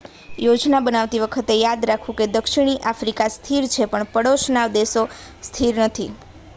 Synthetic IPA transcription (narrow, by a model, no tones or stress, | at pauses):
jod͡ʒnabənaʋt̪iʋəkʰət̪ejad̪ɾakʰũked̪əkʃiɽ̃iʔafɾikast̪ʰiɾt͡ʃʰepəɳpəɽoʃnaʋd̪eso | st̪ʰiɾnət̪ʰi